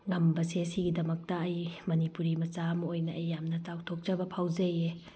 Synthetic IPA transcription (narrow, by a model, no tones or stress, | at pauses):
ŋɐmbɐsesiɡidɐmɐk̚tɐːjmɐnipuɾimɐt͡ʃamɐojnɐʔɐjːamnɐt͡ʃawtʰok̚t͡ʃɐbɐpʰawzɐje